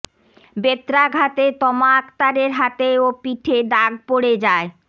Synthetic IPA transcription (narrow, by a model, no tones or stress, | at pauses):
bet̪ɾaɡʱat̪et̪ɔmaakt̪aɾeɾɦat̪eopiʈʰeɖaɡ̚poɽed͡ʑae